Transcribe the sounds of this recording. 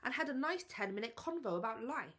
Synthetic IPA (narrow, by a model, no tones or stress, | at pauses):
ʔə̃nəɾənaɪstʰɛ̃nmɪ̃nɪt̚kʰɒ̃nvoʊəbaʊʔlaɪ